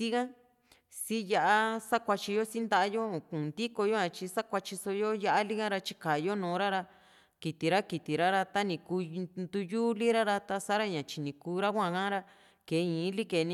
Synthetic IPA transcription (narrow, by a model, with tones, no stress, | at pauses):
si˦ɣã˦ | si˦ja˧ʔa˦sa˦kʷa˧t͡ʃi˧jo˦si˦nd̪a˦ʔa˦jo˦˨kũ˨nd̪i˦ko˧jo˦ã˧t͡ʃi˧sa˦kʷa˧t͡ʃi˧so˧jo˦ja˦ʔa˦li˦ɣã˦ɾa˧t͡ʃi˦ka˨jo˦nõː˨˦ɾa˦ɾa˧ | ki˨t̪i˨ɾa˦ki˨t̪i˨ɾa˦ɾa˧t̪a˦nĩ˧ku˧nd̪u˧ju˦li˦ɾa˦ɾa˧t̪a˧sa˦ɾa˦ɲã˨t͡ʃi˨nĩ˨kuː˧˦ɾa˦kʷã˦˧˨kã˦ɾa˦ | ke˨˦ĩ˨˦li˦ke˨˧nĩ˧